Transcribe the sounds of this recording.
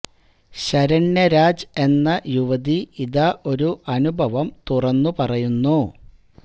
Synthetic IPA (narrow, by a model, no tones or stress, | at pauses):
ɕɐɾɐɳːɐɾaːd͡ʑe̞nːɐjuʋɐðiiðɐʔo̞ɾuʔɐnubʱɐʋɐmt̪urɐnːupɐrɐjunːu